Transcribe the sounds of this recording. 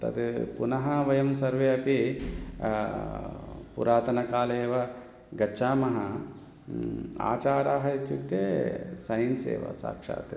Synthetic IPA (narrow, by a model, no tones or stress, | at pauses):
t̪ɐ̰t̪punɐɦɐʋɐjɐmsɐɾʋeːɐpi | pṵɾaːt̪ɐnɐkaːleːʋɐ | ɡɐʃaːmɐɦɐ | a̰ːt͡ʃaːɾaːɦɐit̪jukt̪eːsɐjnsḛːʋɐ̰sa̰ːkʂa̰ːt̪